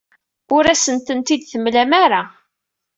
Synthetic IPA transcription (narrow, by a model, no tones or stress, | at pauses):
ʊɾæsənt̪ənt̪id̪θəmlæmaɾa